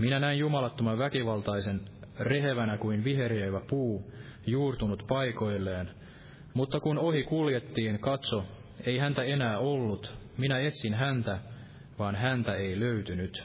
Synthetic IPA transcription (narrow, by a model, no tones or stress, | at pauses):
minænæinjumɑlɑt̪ːomɑʋækiʋɑlt̪ɑjse̞nre̞ɦeʋænækuinʋiɦe̞ɾeːʋæpuː | juːrt̪unut̪pɑjko̞jlːeːn | mut̪ːɑkuno̞hikulje̞t̪ːiːnkɑt̪so̞ | e̞iɦænt̪æe̞næːo̞lːut̪ | minæe̞t̪sinɦænt̪æ | ʋɑːnɦænt̪æe̞ijlø̞yt̪ynyt̪